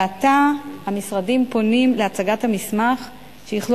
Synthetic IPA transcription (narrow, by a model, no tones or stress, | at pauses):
atahamisʁadimpo̞nimleat͡saɡathamismaχ | ʃejiχl